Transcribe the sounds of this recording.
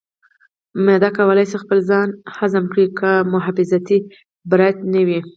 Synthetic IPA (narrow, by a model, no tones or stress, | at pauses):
med̪ɑkawəlajsixpəlzɑnhazamkɽikamʊɦafɪzat̪i | bɾajt̪̚nawi